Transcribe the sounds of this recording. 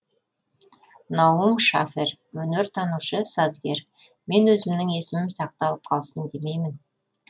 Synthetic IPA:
nɑwəmʃafe̞ɾ | ɵnɪɾt̪ʰɑnuʃəsɑzɡʲe̞ɾ | me̞nwɵzɪmnɪŋe̞sɪmɪmsɑq̚t̪ɑlˠəp̚qʰɑlˠsənd̪e̞me̞jmɪn

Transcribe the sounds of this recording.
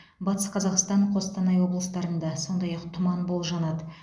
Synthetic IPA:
bɑt̪ə̥sqʰɑzɑqst̪ɑɴqʰo̞st̪ɑnɑjwo̞blˠəst̪ɑɾənd̪ɑso̞nd̪ɑjɑqt̪ʰʊmɑnbo̞lˠʒɑnɑd̪ə

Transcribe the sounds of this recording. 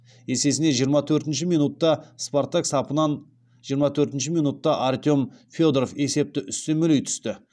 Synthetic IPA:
e̞se̞s̬ɪne̞ʒijəɾmɑt̪ʰɵɾt̪ɪnʃɪmijnut̪ːɑsport̪aksɑpənɑn | ʒijəɾmɑt̪ʰɵɾt̪ɪnʃɪmijnut̪ːɑʔart̪ʲjo̞mfʲjo̞d̪rofe̞se̞p̚t̪ɪʔʏst̪enmʏlejt̪ʰʏ̥st̪ɪ

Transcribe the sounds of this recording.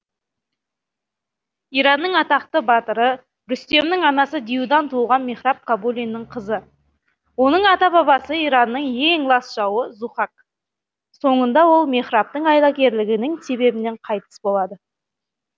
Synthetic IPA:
ijɾɑnːəɴɑt̪ɑqt̪əbɑt̪əɾə | ɾʏst̪e̞mnɪŋɑnɑsəd̪ijud̪ɑnt̪ʰuʁɑnme̞χɾɑp̚kʰabulʲinːɪɴqʰəzə | wo̞nəɴɑt̪ɑbɑβɑsəijɾɑnːəɴje̞ŋlˠɑsʒ̥ɑwəzuχɑk̚ | so̞ɴənd̪ɑwo̞lˠme̞χɾɑp̚t̪əɴɑjlˠɑkʲe̞ɾlɪɡʲɪnɪŋse̞βe̞bɪne̞ɴqʰɑjt̪ə̥sbo̞lˠɑd̪ə

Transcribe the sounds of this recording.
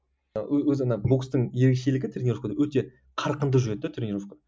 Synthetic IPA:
wɵzmənɑbukst̪əɴje̞ɾekʃelɪɡʲɪt̪ʰɾʲenʲiɾofkad̪ɑwɵt̪e̞ | qʰɑɾqənd̪əʒʏɾed̪ːɪt̪ʰɾenʲiɾofka

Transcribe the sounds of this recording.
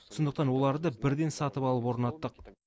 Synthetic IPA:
sʊnd̪əq̚t̪ɑnwo̞lˠɑɾd̪əbɪɾd̪e̞nsɑt̪əpɑlˠəpwo̞ɾnɑt̪ːəq̚

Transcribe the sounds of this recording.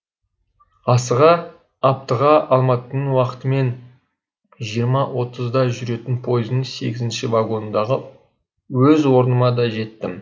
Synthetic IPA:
ɑsəʁɑː | p̚t̪əʁɑɑlˠmɑt̪ənəɴwɑqə̥t̪əme̞n | ʒijəɾmɑwʔo̞t̪əzd̪ɑʒʏɾe̞t̪ɪnpʰo̞jɪznəɴse̞ɡʲɪzɪnʃɪvaɡo̞nnd̪ɑʁə | wɵzwo̞ɾənəmɑd̪ɑʒe̞t̪ːɪm

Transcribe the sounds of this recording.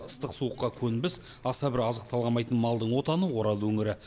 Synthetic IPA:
əst̪əqsuəqːɑkʲʰɵnbɪs | ɑsɑbɪɾɑzəq̚t̪ʰɑlˠʁɑnmɑjt̪ənmɑlˠd̪əɴwo̞t̪ɑnəwo̞ɾɑlˠwɵŋɪɾɪ

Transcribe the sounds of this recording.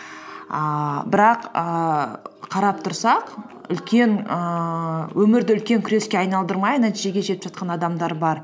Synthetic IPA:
əbɪɾɑqə | qʰɑɾɑp̚t̪ʰʊɾsɑq | ʏ̰lkʲe̞ŋəwɵmɪɾd̪ɪʏlkʲe̞ŋkʲʰʏɾe̞skʲe̞ɑjnɑlˠd̪əɾmɑjnæt̪iʒe̞ɡʲe̞ʒe̞t̪ɪpʒɑt̪̚qɑnɑd̪ɑmd̪ɑɾbɑɾ

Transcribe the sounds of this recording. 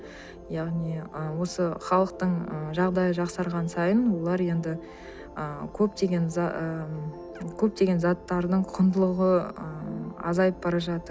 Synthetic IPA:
jɑʁnijəwo̞səχɑlˠəqt̪əɴəʒɑʁd̪ɑjəʒɑqsɑɾʁɑnsɑjənwo̞lˠɑɾje̞nd̪ɪ | əkʲʰɵp̚t̪e̞ɡʲe̞n | kʲʰɵp̚t̪e̞ɡʲe̞nzɑt̪ːɑɾd̪əɴqʰʊnd̪əlˠəʁəəɑ̰zɑjəp̚bɑɾɑʒɑt̪əɾ

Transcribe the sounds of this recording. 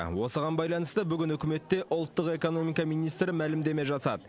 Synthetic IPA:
wo̞səʁɑnbɑjlˠɑnəst̪əbʏɡʲɪnʏkʲɪme̞t̪ːe̞ʔʊlˠt̪ːəqe̞ko̞no̞mijkɑmijnijst̪ɾɪmælɪmd̪e̞me̞ʒɑsɑ̰d̪əə

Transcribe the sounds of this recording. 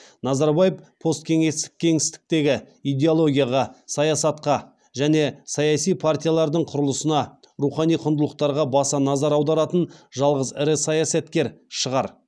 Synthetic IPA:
nɑzɑɾbajəfpʰo̞st̪kʲʰe̞ŋe̞st̪ɪ̥k̚kʲʰe̞ŋɪst̪ɪ̥k̚t̪e̞ɡʲɪ | ijd̪ʲe̞olˠo̞ɡʲijaʁɑsɑjɑsɑt̪̚qɑ | ʒæne̞sɑjɑsijpʰart̪ʲijalˠɑɾd̪əɴqʰʊɾəlˠəsənɑ | ɾuχɑnijqʰʊnd̪əlˠəq̚t̪ɑɾʁɑbɑsɑnɑzɑɾɑwd̪ɑɾɑt̪ənʒɑlˠʁəzɪɾɪsɑjasɑt̪kʲeɾʃəʁɑɾ

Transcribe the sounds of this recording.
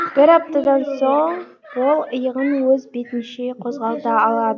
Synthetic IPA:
b̥ɪɾɑp̚t̪ɑd̪ɑnso̞ɴ | wo̞lˠəjəʁənwɵzbe̞t̪ɪnʃeqʰo̞zʁɑlˠd̪ɑɑlˠɑd̪ə

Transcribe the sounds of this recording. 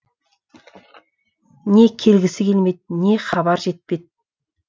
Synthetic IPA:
ne̞kʲʰe̞lɡʲɪsɪkʲʰe̞lme̞jd̪̚ne̞χɑbɑɾʒe̞t̪̚pe̞d̪̚

